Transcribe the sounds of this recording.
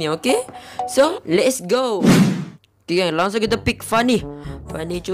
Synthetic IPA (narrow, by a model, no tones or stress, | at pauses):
iokesolɛtsɡo | okelɔ̃ŋs̬oɡɛt̪əpik̚fanifanit͡ʃu